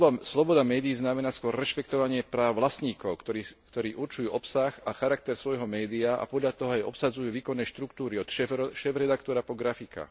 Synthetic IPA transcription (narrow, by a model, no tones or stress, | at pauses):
bslɔbɔd̪amɛːd̪iiznamɛnaːskʊɔɾːɛʃpɛkt̪ɔʋaɲɪɛpɾaːʊʋlasɲiːkɔʊkt̪ɔikt̪ɔɾiːʔuɾt͡ʃujuːʔɔpsaxaxaɾakt̪ɛɾsʋɔjɦɔmɛːd̪iaa̰pɔd̪ʎat̪ɔɦɔajɔ̰psad͡zujuːʋiːkɔnːɛʃt̪ɾukt̪uːɾiɔt̪ʃɛʃɛːvɾɛd̪akt̪ɔɾapɔɡɾafika̰